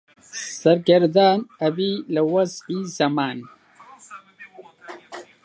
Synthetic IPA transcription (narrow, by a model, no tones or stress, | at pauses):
sɐɾɡɐɾd̪aːnɐbilawɐzizɐmaːn